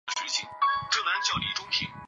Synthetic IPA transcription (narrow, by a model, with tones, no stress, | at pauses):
ə˧˩ɕɛ˧˥t͡ɕʰḭ˧˩˦ŋʈ͡ʂɤ˥˩na˧˥nt͡ɕjɑ˥˩ʊli˧˥ʈ͡ʂʊ˥ŋʰḭ˧˥˦ŋ